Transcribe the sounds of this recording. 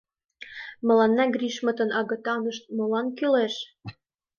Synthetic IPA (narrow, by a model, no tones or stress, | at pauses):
mɤ̆lɑnːɑɡrʲiʃmɤ̆t̪ə̆nʔɑɣɤ̆t̪ɑnɤ̆ʃt̪̚molɑnkyleʃ